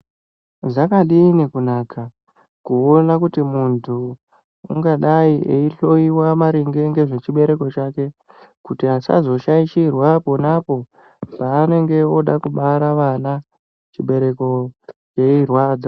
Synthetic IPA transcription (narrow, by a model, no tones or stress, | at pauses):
zakaɗinekunaːkʰa | kuonakutimuntʰṵː | ŋɡaɗaiʔeiɬo̞iwamaɾiŋɡe̞ŋɡe̞ʐe̞t͡ʃiɓe̞ɾe̞ko̞t͡ʃake̞ | kutiasa̰zo̞ʃaiʃirwaponapo̞ | paːne̞ŋɡe̞o̞ɗakuɓaɾaʋana | t͡ʃiɓe̞ɾe̞ko̞t͡ʃeirwaːd͡za